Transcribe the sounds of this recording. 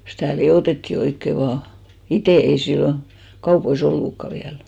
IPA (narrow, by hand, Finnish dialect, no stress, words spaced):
stæˑ lioˑtetːiˑ oikːe ʋɑː iteˑ ei silːon kɑupois olːukːɑ ʋiæl